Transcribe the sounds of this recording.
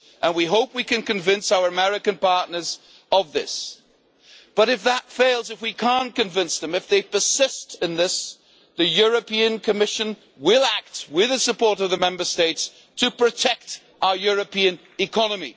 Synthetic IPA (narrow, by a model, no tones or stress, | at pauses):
ʔə̃nwiɦoʊpwikɨ̃nkɨ̃ɱvɪ̃nsaʊə˞əmɛɹɨkɨ̃npɑɹtⁿnə˞z | ʌvðɪ̰s | b̥ʌɾɨfðətfeɪlˠzɨfwikʰæ̃nkɨ̃ɱvɪ̃nsðɨ̃mɨfðeɪpə˞sɪstɨ̃nðɪs | ðɨjʊɹɨpʰiɨ̃nkʰɨmɪʃɨ̃n | wɪlˠæk̚t̚wɪðɨsɨpʰɔɹɾʌvðɨmɛ̃mbə˞steɪts | tʰɨpʰɹ̥ɨtʰɛk̚t | ʔaʊə˞jʊɹɨpʰiɨ̃n | ɨkʰɑnɨmḭ